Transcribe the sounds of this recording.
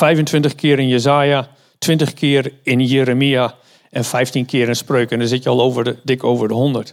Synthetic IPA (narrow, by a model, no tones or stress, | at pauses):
fɛjvəntʋɪntəχkʰɪəɾɪnjəzaːja | tʰʋɪ̃ntəχkʰɪəɾɪnjeːɾəmia | ɛnfɛjftinkʰɪəɾɪnsprøːkəndəzɪtjəɔlˠoːvərdɪkoːvərdəɦɔndərt